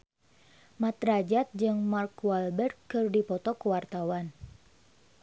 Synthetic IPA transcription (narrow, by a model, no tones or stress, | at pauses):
mat̪ɾad͡ʒat̪̚d͡ʒɨŋmarkwalbɛrt̪̚kɨrdipɔt̪ɔkuwart̪awan